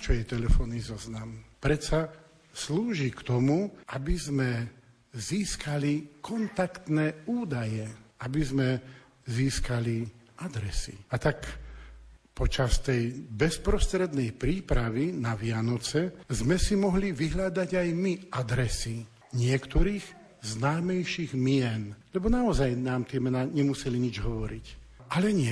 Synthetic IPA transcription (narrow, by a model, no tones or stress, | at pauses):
t͡ʃɔjɛt̪ɛlɛfɔnːizɔznampɾɛt͡sa | sluːʒikt̪ɔmuʔabizmɛ | ziːskalikʰɔnt̪akt̪nɛːuːd̪ajɛabizmɛ | ziːskaliad̪ɾɛsḭat̪ak | pɔt͡ʃast̪ɛjbɛspɾɔst̪ɾɛd̪nɛjpɾiːpɾaʋinaʋɪanɔt͡sɛzmɛsimɔɦliʋiɦlad̪aɟajmiad̪ɾɛsi | ɲɪɛkt̪ɔɾiːɣ | znaːmɛjʃiɣmɪɛnlɛbɔnaɔzajnaːmt̪ɪɛmɛnaɲɛmusɛliɲid͡ʒɦɔʋɔɾic | ʔalɛɲɪɛ